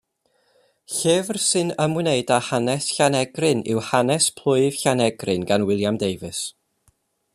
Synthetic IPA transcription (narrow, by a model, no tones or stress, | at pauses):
ɬeːvrsɨnəmwɪneɨdahanɛsɬanɛɡrɨnɪ̰whanɛspʰl̥ˠʊɨv̥ɬanɛɡrɨnɡanwɪlˠjamdejvɨs